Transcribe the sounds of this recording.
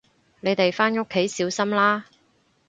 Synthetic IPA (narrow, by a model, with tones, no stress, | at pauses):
ne˨˧jt̪e˨jfaː˥nʊ˥kʰːe˨˥jsiː˨˥wsɐ˥mlaː˥